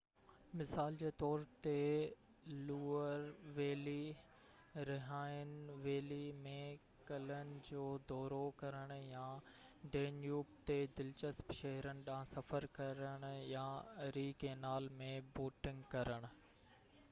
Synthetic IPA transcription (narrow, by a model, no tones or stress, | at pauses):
mɪsaːld͡ʑeːt̪ɔːɾt̪e | luːəɾʋeːli | ɾɪɦaːɪnɪ̆ʋeːlimẽ | kɐlənɪ̆d͡ʑoːd̪ɔːɾokɐɾəɽ̃ʊ̆jaɖeːnjuːp̚t̪ed̪ɪlt͡ɕəspʃɐɦɾənɪ̆ɗãːsɐfəɾkɐɾəɽ̃ʊ̆jaɾiːkenaːlmẽboːʈɪ̃ŋɡkɐɾəɽ̃ʊ̆